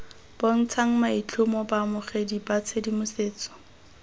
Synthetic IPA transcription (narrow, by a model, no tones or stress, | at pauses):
b̥oŋ̩t͡sʰaŋ̩mait͡ɬʰʊmɔbamʊχedibat͡sʰedimʊseːt͡sɔ̥